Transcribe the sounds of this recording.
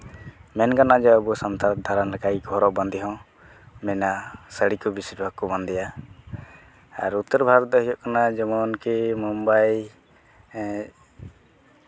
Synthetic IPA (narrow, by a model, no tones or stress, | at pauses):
mɛnkanad͡ʒɔəbusɔnt̪ad̪ʱaɾənlɛkaiɡʱɔɾɔʔbɔnd̪ʱiɦɔ̃ | mɛnasəɽikubisiɾbʱaɡ̚kuband̪ija | a̰ɾut̪ːɔɾbʱaɡt̪̚ɔɦɔjɔʔkanad͡ʒɔmɔnkimumbaj